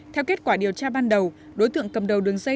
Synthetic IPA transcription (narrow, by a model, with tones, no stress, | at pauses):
t̪ʰɛ˧wke˦˥t̚kwaː˧˩ɗi˨˩əwt͡ɕaː˧ɓaː˧nɗə˨˩w | ɗo˨˦jt̪ɨ̰˧˨əŋkə˨˩mɗə˨˩wɗɨ˨˩əŋzə˧